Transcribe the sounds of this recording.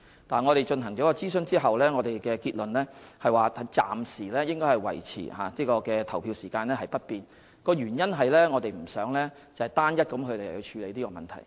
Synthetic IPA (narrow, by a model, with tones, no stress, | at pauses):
t̪aː˨nŋɔː˨˧ɾe˨jt͡ʃɵ˧nɦɐ˨˩ŋt͡ʃɔː˨˥kɔː˧t͡siː˥sɵ˨˧nt͡siː˥ɦɐ˨wlɛː˥ŋɔ˨˧t̪e˨jkɛː˧kiː˧t̚lɵ˨nlɛː˥hɐ˨jwaː˨ɐ˨˥t͡sa̰ː˨msiː˨˩lɛː˥jɪ˥ŋkɔː˥hɐ˨˩jwɐ̰˨˩jt͡sʰḭː˨˩ha̰ː˨niː˥kɔː˧kɛː˧t̪ʰɐ˨˩wpʰiː˧wsiː˨˩kaː˧nlɛː˥hɐ˨jpɐ˥t̚piː˨n | kɔː˧jyː˨˩njɐ˥nɦɐ˨jlɛː˥ŋɔː˨˧t̪e˨jm̩˨˩sœː˨˥ŋlɛː˥ | t͡sɐ˨˩hɐ˨jt̪aː˥njɐ˥t̚kɐ˨˥mkʰɵ˨˧ɥle˨˩jhɵ˧t͡ʃʰyː˨˧le˨˧jt̪iː˥kɔː˧mɐ̰˨nt̪ʰɐ̰˨˩j